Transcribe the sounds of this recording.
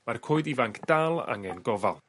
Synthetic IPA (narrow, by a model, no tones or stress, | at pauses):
markʰoːɨdivaŋkʰd̥alˠa̰ŋɛnɡɔvalˠ